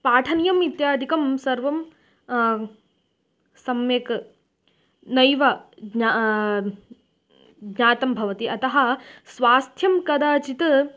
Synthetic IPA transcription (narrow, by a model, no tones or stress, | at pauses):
paːʈʰɐnijɐmit̪jaːd̪ʱikɐmsɐɾʋɐm | sɐmjeːk | nɐjʋɐɡɲa | ɡɲaːt̪ɐmbʱɐʋɐt̪iʔɐt̪ɐɦɐ̆sʋaːst̪ʰjɐmkɐd̪aːt͡ʃit̪